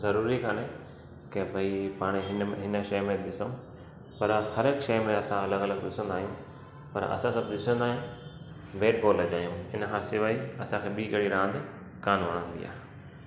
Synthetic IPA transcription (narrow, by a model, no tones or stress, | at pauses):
zɐɾuːɾikaːne | kebʱaipaːɽ̃eɦɪnɦɪnə̆ʃɐjmẽɗ̪ɪsõ | pɐɾhɐɾeːkʃɐjmẽɐsãɐləɡɐləɡd̪ɪsə̃nd̪aːɦijũ | pɐ̰ɾɐ̰sãsɐbɗ̪ɪsə̃nd̪aːɦɪẽ | beːʈboːlːɐd͡ʑaːɦijũɪnkʰãsɪʋaːiɐsãkʰeːbikɐɽiɾãːnd̪ | kaːnʋɐɽ̃ə̃nd̪ḭa̰ː